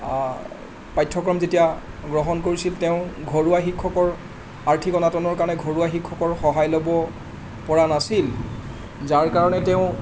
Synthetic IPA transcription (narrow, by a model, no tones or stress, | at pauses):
pajtʰːɔkɹɔmzetija | ɡɹɔɦɔnkoɹisiltɛʊ̃ɡʱoɹuaxikʰːɔkɔɹ | aɹtʰikɔnatɔnɔɹkaɹnɛɡʱoɹuaxikʰːɔkɔɹxɔɦajlobɔ | pɔɹanasil | zaɹkaɹɔnɛtɛʊ̃